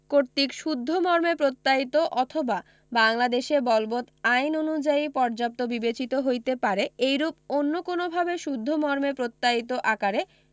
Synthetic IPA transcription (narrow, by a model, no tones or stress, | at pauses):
koɾt̪ikʃud̪ʱːomɔɾmepɾot̪ːait̪oʔɔt̪ʰoba | baŋlad̪eʃebɔlbot̪ajnonud͡ʑaipɔɾd͡ʑap̚t̪obibet͡ɕit̪oɦojt̪epaɾeejɾup̚onːokonobʱabeʃud̪ʱːomɔɾmepɾot̪ːait̪oʔakaɾe